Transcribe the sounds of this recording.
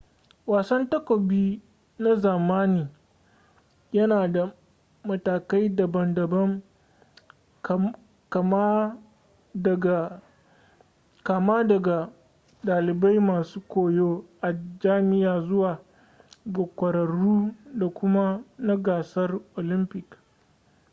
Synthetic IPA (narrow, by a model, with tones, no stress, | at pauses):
waː˨sɐ˦ntɐ˦kʷo˨biː˦ | na˦zaː˨maː˦niː˨ | jɐ˦naː˨da˨ | mɐ˨taː˨ka˦jdɐ˨bɐ˨ndɐ˨bɐ˦m | kɐ˨m˦˨ | ka˨ma˦dɐ˨ɡa˨ | daː˨lɪ˨ba˦jmaː˨suː˦kʷoː˨joː˦ʔa˨d͡ʒaː˦mɪ˦jaː˨zʊ˦waː˨ | ɡa˨kʷɐ˨ɾɐ˨ɽuː˦da˨kʷʊ˦ma˦na˦ɡaː˨sɐ˦rʔoː˨lɪ˦mpɪ˨k